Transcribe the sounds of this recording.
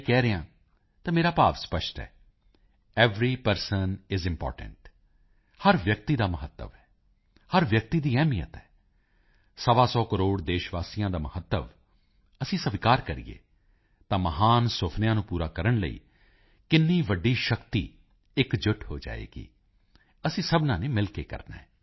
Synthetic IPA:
kɛːɾəãː | t̪ãːmeːɾaːpaːʋspəʃʈɛ̰ː | ɛːʋɾiːpəɾsənɪzɪmpɔ̰ːʈə̰̃ɳʈ | həɾʋjək̚t̪iːd̪aːməɦət̪ːə̰ʋɛː | həɾʋjək̚t̪iːd̪iːɛːmijə̰t̪ɛː | səʋãːsɔːkəɾoːɽd̪eːʃʋaːsijãːd̪aːməhət̪ːəʋ | əsĩːsəʋɪkaːɾkəɾḭjḛː | t̪ãːməɦaːnsʊpʰnjãːnũːpuːɾaːkəɾəɳlə̰ḭː | kɪnːiːʋəɖːiːʃəkt̪ḭː | ɪkd͡ʒʊʈho̰ːd͡ʒa̰ːḛːɡḭː | əsĩːsəbnãːneːmɪlkeːkə̰ɾnã̰ː

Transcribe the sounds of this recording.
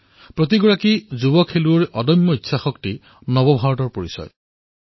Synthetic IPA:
pɹot̪̬iɡɔɹakizubɔkʰːeluoɹʔɔdɔjmːɔitːsʰaxɔkti | nɔbɔbʱaɹɔtɔɹpoɹisɔ̰j

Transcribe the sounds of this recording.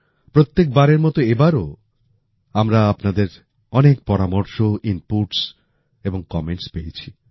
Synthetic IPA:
pɾot̪ːek̚baɾeɾmɔt̪oebaɾo | amɾaapnad̪eɾ | ɔnek̚pɔɾamoɾʃoimpuʈs | eboŋkɔmeɳʈspejet͡ɕʰi

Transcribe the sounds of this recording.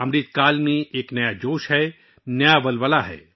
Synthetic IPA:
ɐmɾiːt̪̚kaːlmẽeːknɐjad͡ʒoːʃɦɛ | nɐjaʋɐlʋəlaɦɛ̰ː

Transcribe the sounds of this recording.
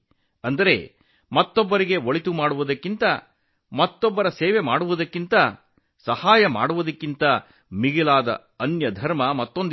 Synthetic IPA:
ɐnd̪ɐɾe̞̰ | mɐt̪ːɔbːɐɾiɡe̞oɭit̪umaːɽuʋud̪ɐkːint̪ɐ | mɐt̪ːɔbːɐɾɐseːʋe̞maːɽuʋud̪ɐkːint̪ɐ | sɐhaːjɐma̰ːɽuʋud̪ɐkːint̪ɐ | miɡilaːd̪ɐ̰ | ɐnjɐd̪ʱɐɾmɐmɐt̪ːo̞nd̪

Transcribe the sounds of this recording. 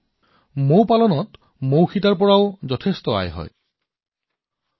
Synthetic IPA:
mowpalɔnɔt | mowxʰitaɹpɔɹaozɔtʰest̪ɔa̰jɦɔ̰j

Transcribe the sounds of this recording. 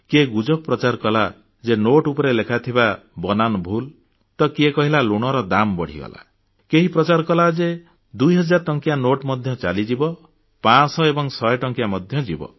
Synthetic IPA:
keɡud͡ʒɔk̚pɾɔt͡ʃaɾkɔla | d͡ʒenoʈupɔɾelekʰat̪ʰibabɔnanɔbʱul | t̪ɔkiekɔɦilaluɽ̃ɔɾɔd̪ambɔɽ̤ḭɡɔ̰la̰ | keɦipɾɔt͡ʃaɾkɔlad͡ʒe | d̪ujɦɔd͡ʒaɾʈɔŋkjanoʈmɔd̪ʱjɔt͡ʃa̰lid͡ʒibɔ | pãsɔebɔŋsɔjʈɔŋkjamɔd̪ʱjɔd͡ʒibɔ̰

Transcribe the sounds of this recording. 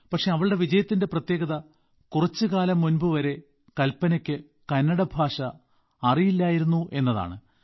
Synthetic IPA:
pɐkʂe̞ɐʋɐɭɨɽe̞ʋid͡ʑɐjɐt̪ːinde̞prɐt̪je̞ːɡɐðɐ | kurɐt͡ɕːɨkaːlɐmːunbɨʋɐɾe̞ | kɐlpːɐnɐkʲːɨ | kɐnːɐɽɐbʱaːʂɐ | ɐrijilːaːjiɾunːuʔe̞nːɐða̰ːɳɨ

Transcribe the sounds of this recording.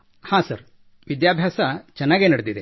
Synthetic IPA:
hãːsɐ̰ɾ | ʋid̪jaːbʱjaːsɐt͡ʃɐnːaːɡenɐɽed̪id̪e

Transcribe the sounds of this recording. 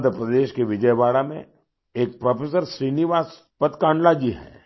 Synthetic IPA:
d̪ʱɾəpɾəd̪eːʃkeʋɪd͡ʒəjbaːɽamḛ̃ | eːk̚pɾɔpʰeːs̬əɾʃɾiːniʋaːs | pət̪kãːɳɖlad͡ʒiɦɛ̰ː

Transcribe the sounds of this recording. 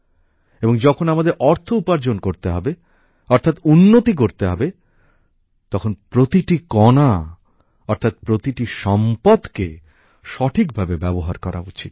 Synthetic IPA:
eboŋd͡ʑɔkʰonamad̪eɾʔɔɾt̪ʰoupaɾd͡ʑonkoɾt̪eɦɔbe | ɔɾt̪ʰat̪unːot̪ik̬oɾt̪eɦɔbe | t̪ɔkʰonpɾot̪iʈikɔna | ɔɾt̪ʰat̪pɾot̪iʈiʃɔmpad̪ke | ʃɔʈʰik̚bʱabebɛboɦaɾkɔɾʔa̰ut͡ɕit̪̚

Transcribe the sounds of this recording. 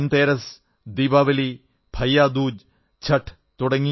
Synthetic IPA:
nt̪eːɾɐs | d̪iːbaːʋɐli | bʱɐjːaːd̪uːd͡ʑ | t͡ɕʰɐʈʰ | t̪uɽɐŋːi

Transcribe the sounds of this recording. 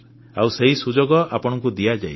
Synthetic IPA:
awseɦisud͡ʒɔɡɔʔapɔɽ̃ɔŋkud̪ijad͡ʒa̰j

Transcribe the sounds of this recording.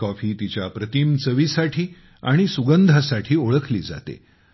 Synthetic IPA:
kɔfiːt̪it͡ɕjapɾət̪iːmt͡səʋisaʈʰiː | aɽ̃isuɡənd̪ʱasaʈʰiːoɭəkʰliːd͡za̰t̪ḛ

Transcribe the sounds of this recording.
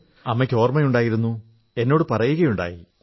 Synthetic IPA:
ɐmːekʲːo̞ːrmɐjuɳɖaːjiɾunːu | e̞nːo̞ːɽɨpɐrɐjuɣɐjuɳɖa̰ːjḭ

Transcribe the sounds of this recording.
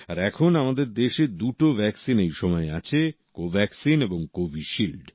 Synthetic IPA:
aɾɛkʰonamad̪eɾd̪eʃed̪uʈobʱɛksinejʃɔmɔeat͡ɕʰe | kobʱɛksineboŋkobʱiʃilɖ

